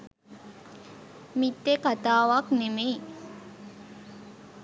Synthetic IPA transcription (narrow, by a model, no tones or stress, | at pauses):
mit̪ːekat̪aːʋaknemej